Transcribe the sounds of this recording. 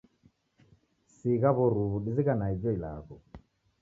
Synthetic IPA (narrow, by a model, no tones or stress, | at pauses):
siɣaβɔɾuβuɗiziɣanaid͡ʒɔila̰ɣɔ